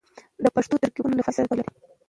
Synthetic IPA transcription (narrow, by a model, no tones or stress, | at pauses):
d̪əpaʂt̪ot̪əɾkibunalafasad̪ad̪alaɾi